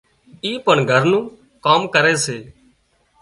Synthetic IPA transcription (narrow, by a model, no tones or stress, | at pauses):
iːpəɳɡʱəɾnũː | kaːmkəɾeːseː